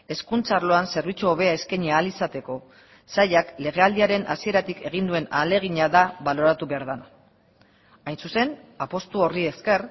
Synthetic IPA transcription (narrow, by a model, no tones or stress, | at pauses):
e̞skunt͡sarlo̞anse̞ɾβ̞it͡suoβe̞ae̞skeɲiaːlisat̪e̞ko̞ | sajakle̞ɣ̞e̞ald̪iaɾe̞nʔa̰sie̞ɾat̪ike̞ɣ̞ind̪ue̞na̰le̞ɣ̞iɲaðaβalo̞ɾat̪uβe̞aɾðana | ajnsuse̞napo̞st̪uo̞rie̞ske̞r